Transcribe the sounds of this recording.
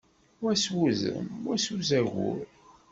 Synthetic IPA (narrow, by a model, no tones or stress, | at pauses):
wæswuzə̰mæsuzæʝʊ̰ɾ